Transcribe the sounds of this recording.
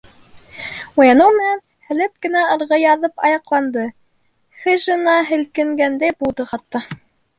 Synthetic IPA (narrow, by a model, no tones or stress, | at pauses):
ujɑnɤwmɘ̆næn | hælæt̪̚kɘ̆næɤ̆ɾʁɤjɑðɤpɑjɑqlˠɑnd̪ɤ | χɘ̆ʒɤ̆nɑɦɘ̆lkɘ̆ŋɡænd̪æjbud̪ɤχɑt̪ːɤ